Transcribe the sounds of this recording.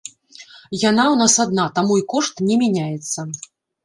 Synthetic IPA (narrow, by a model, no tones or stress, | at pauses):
janawn̪asad̪̚nat̪amuikɔʂt̪nʲɛmʲanʲajɛt̪sːɐ